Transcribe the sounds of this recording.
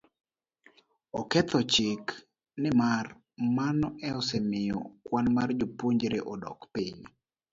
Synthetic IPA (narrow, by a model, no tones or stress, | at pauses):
ɔkɛt̪ɔt͡ʃɪk | nɪmar | manɔɛɔsɛmɪjɔ̰kwanmard͡ʒopuɲd͡ʒɾeʔɔdɔ̰kpiɲ